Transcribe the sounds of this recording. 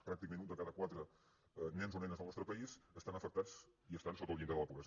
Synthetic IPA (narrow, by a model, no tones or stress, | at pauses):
pɾak̚t̪ikəmẽnund̪əkaðəkwat̪ɾə | nɛnzonɛnəzðəlˠnɔst̪ɾəpəizəst̪anəfək̚t̪at͡sd͡ziəst̪ansot̪əlˠind̪əðəlɛpukə